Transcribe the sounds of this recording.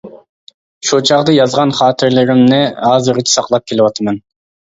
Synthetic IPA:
ʃut͡ʃɑʁd̪ɯjɑzʁɑnχɑːt̪eɾle̞ɾimneɑzɯɾit͡ʃsɑqlˠɑp̚kʰe̞lipwɑt̪ɑmen

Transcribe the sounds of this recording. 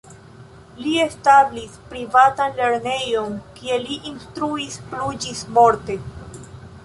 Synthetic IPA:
lie̞stablispɾivatanle̞ɾne̞jo̞nkie̞liʔinstɾuispɾud͡ʒismo̞ɾte̞

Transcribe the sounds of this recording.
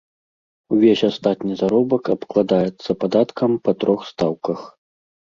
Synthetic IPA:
uvʲesʲast̪at̪nʲizaɾɔbɐkɐpklˠad̪ajɛt̪sːɐpad̪at̪kʰɐmpɐt̪ɾʔɔxst̪awkɐx

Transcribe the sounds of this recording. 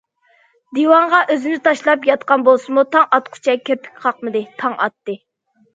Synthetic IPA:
d̪iwɑɴʁɑʔøzynɪt̪ʰɑʃlˠɑpjɑt̪qɑnbolˠsɨmut̪ʰɑŋɑt̪qʰʊ̥t͡ʃʰɛkʲʰøpʰɪ̥kʲqʰɑqmɨd̪ɨt̪ʰɑŋɑ̰t̪ːɨ

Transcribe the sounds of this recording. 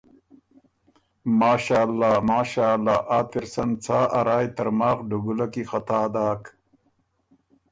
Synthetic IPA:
maːɕaːlːaːmaːɕaːlːaːʔaːt̪iɾsɐnt͡sʰaːʔɐɾaːjt̪ɐɾmaːxɖuɡulɐkixɐt̪aːd̪aːk

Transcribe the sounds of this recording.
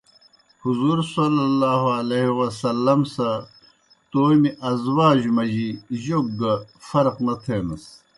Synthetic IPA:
huzuɾsɐlɐlːaːɦoɐleɦiwɐsɐlːɐmsɐ | t̪oːmiʔɐzwaːʑumɐʑiʑoɡɡɐfɐɾqnɐt̪ʰeːnɐs

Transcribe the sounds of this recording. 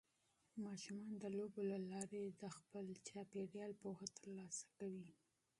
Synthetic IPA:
mɑʃumɑnd̪əlobolalɑɾed̪əxpəlt͡ʃɑpeɽjɑlpohat̪əɾlɑsḁkawi

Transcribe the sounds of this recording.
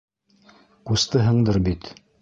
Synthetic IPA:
kust̪ɤɦɤ̆ɴd̪ɤɾbit̪

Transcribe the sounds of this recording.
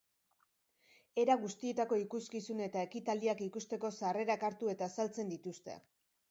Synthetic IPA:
e̞ɾaɣust̪ie̞t̪ako̞ikuskisune̞t̪ae̞kit̪ald̪iakikust̪e̞ko̞sare̞ɾakaɾt̪ue̞t̪aːsalt͡se̞nd̪it̪ust̪e̞̰

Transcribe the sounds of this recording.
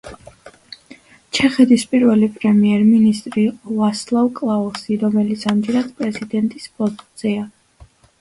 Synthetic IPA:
t͡ʃʰɛχɛd̪ʰispʼiɾvɛlipʼɾɛmiɛɾminist̪ʼɾivaslˠavkʼlˠaɔsiɾɔmɛlit̪sʰamd͡ʒɛɾad̪̥pʼɾɛzid̪ɛnt̪ʼispʼɔst̪ʼzia

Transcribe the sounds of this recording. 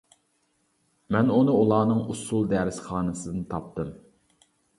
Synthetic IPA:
mɛnunɨulˠɑːnɨŋusulˠd̪ɛːɾɪsχɑːnɨsɨd̪ɨnɨt̪ʰɑp̚t̪ɨm

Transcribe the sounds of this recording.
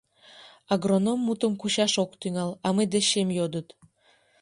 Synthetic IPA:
aɡronomːut̪əmkuɕɑʃokt̪yŋɑlɑməjd̪eɕemjod̪ət̪

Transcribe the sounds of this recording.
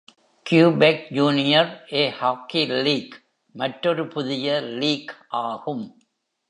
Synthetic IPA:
kjuːbek̚d͡ʒuːnɪjɐɾʔeːhaːkiliːk | mɐʈɾɔɾɯpʊðɪjɐliːkʔaːɣɯm

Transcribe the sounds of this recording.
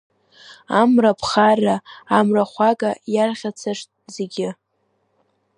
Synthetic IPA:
amrapʰχaraːmraχʷaɡajarʁʲat͡sʰaʂtʼzeɡʲɪ

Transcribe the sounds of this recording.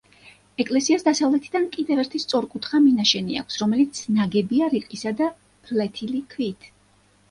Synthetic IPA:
ɛkʼlɛsiasd̪asavlɛt̪ʰid̪ankʼid̪ɛvɛɾt̪ʰist̪sʼɔɾkʼut̪ʰχaminaʃɛnia̰kʰsɾɔmɛlit̪sʰnaɡɛbiaɾiqʼisad̪a | b̥ɾlɛt̪ʰilikʰvit̪ʰ

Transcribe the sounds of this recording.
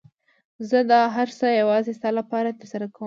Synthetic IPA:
zəd̪ɑɦaɾsəjawɑzest̪ɑlapɑɾat̪əɾsaɾakawəm

